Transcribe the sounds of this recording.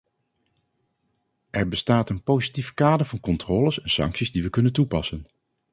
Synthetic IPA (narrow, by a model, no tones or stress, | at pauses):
ʔɛɹbəstaːtənpowzitifkaːdəɹvɑnkɔntrɔːləsɛnsɑ̰ŋksizdiʋəkɵnəntupɑsən